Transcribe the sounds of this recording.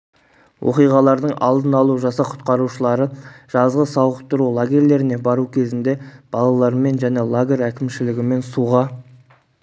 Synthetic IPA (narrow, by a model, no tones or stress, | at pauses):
wʔo̞̰qijʁɑlˠɑɾd̪əɴɑ̰lˠd̪ənɑlˠuʒɑsɑqʰʊ̥t̪qɑɾuʃəlˠɑɾəʒ̥ɑzʁəsɑwˠʁəqt̪əɾulˠaɡʲe̞ɾle̞ɾɪne̞bɑɾukʲʰe̞zɪnd̪e̞b̥ɑlˠɑlˠɑɾəme̞nʒæne̞lˠaɡʲe̞ɾækʲɪmʃɪlɪɡʲɪme̞nsuʁɑ